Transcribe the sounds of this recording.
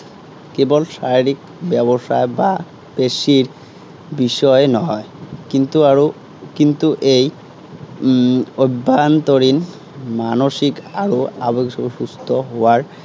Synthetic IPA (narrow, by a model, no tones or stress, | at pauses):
kebolʃaɾiɾik̚ | bɛboʃaeba | b̥eʃiɾ | biʃɔenɔɦɔekint̪uaɾo | kint̪uʔej | ojbːant̪oɾin | manoʃikaɾoabekʃoʃust̪ʰoɦowaɾ